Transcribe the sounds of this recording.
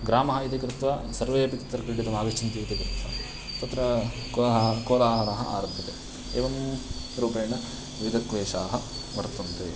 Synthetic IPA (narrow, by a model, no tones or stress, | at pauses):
ɡɾaːmɐɦɐit̪ikɾɪt̪ʋɐsɐɾʋeːpikɐt̪ːɾɐkɐɭɽid̪ɐmaːʋɐt͡ʃːɐnt̪iʋit̪ikɾɪt̪ʋɐ | t̪ɐt̪ːɾɐ | koːlaːɦɐnɐɦɐ̰ʔa̰ːɾɐb̪ʱjɐt̪e | ḛːʋɐm | ɾuːpeːnɐ | ʋid̪ɐkʋeːʃaːɦɐ | ʋɐɾt̪unt̪ḛː